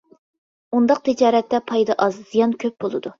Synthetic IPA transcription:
und̪ɑq̚t̪ʰid͡ʒɑːɾɛt̪ːɛpʰɑjd̪ɑʔɑzz̥ijɑnkʲʰøp̚bolˠɨd̪u

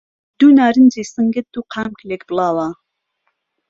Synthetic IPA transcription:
d̪̥uːnaːɾɨnd͡ʒeːsɨŋɡət̪̚d̪̥uqʰaːmkʰlekb̥ɨlɑːwɑː

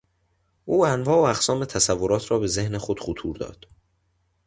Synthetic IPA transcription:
ʔuːænvɒːoæɣsɒːme̞t̪ʰæsævːoɾɒːt̪ʰɾɒːbe̞ze̞hnexod̪̥χut̪ʰuːɾd̪ɒ̰ːd̪̥

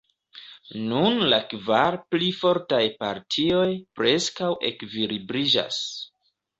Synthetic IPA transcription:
nunlakvaɾplifo̞ɾtajpaɾtʰio̞jpɾe̞skawʔe̞̰kvilibɾid͡ʒa̰s

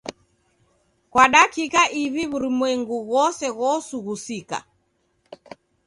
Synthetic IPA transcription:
kwaɗakikaʔiviβuɾimwɛŋɡuɣɔsɛɣɔsuɣusika̰

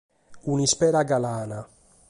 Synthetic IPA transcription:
unispɛɾaɡalaːna

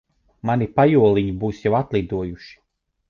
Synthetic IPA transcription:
manipajuɔlˠiɲibuːsjawat̪lˠid̪uɔjuʃi̥

